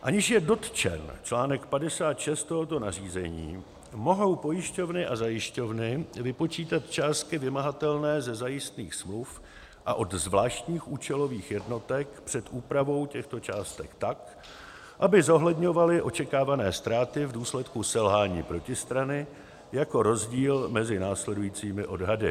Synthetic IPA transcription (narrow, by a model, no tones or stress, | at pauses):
ʔaɲɪʃjɛdo̞t̪t͡ʃɛ̰nt͡ʃlaːnɛkpadɛsaːt̪ʃɛst̪t̪ːoɦot̪o̞nariːzɛɲḭː | mo̞ɦo̞wpo̞jɪʃco̞vnɪʔazajɪʃco̞vnɪvɪpo̞t͡ʃiːt̪at̪t͡ʃaːst̪̚kɪvɪmaɦat̪ɛlnɛːzɛzajɪst̪niːxsmluf | ʔaʔo̞d̪zvlaːʃt̪ɲiːxʔuːt͡ʃɛlo̞viːxjɛdno̞t̪ɛkpr̝̥ɛt̪ʔuːpɾavo̞wcɛxt̪o̞t͡ʃaːst̪ɛkt̪ak | ʔabɪzo̞ɦlɛdɲo̞valɪʔo̞t͡ʃɛkaːvanɛːst̪ɾaːt̪ɪvduːslɛt̪kusɛlɦaːɲiːpɾo̞cɪst̪ɾanɪ | jako̞ɾo̞zɟiːlmɛzɪnaːslɛdujiːt͡siːmɪʔo̞dɦadɪ̰